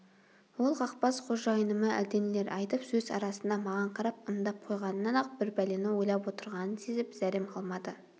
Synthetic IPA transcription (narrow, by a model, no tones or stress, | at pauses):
wolˠʁɑqpɑsqʰoʒɑjənəməʔæ̰d̪e̞nele̞ɾʔɑjt̪əpsɵzɑ̰ɾɑsənd̪ɑmɑʁɑɴqʰɑɾɑpəmd̪ɑp̚qʰo̞jʁɑnənɑnɑq̚b̥ɪɾbæle̞nɪwo̞jlˠɑpwo̞t̪əɾʁɑnənsezɪpz̥æɾemɑlˠmɑd̪ə